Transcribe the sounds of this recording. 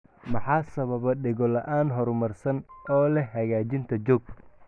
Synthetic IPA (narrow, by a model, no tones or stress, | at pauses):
mɐħɑːsɐβɐβɐɖɪɣɔlɐʔaːnɦɔɾmɐrsɐnʔɔːlɛɦɐɣaːt͡ʃɪnt̪ʰɐd͡ʒɔːɡ̚